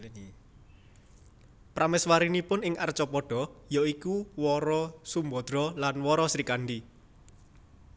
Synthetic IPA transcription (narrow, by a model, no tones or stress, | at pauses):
pɾamɛswaɾinipʊnɪŋʔa̰rt͡ʃɔpɔɖ̥ɔ̤jɔikuwɔɾɔsumbɔd̪̥ɾɔlanwɔɾɔsɾikanɖi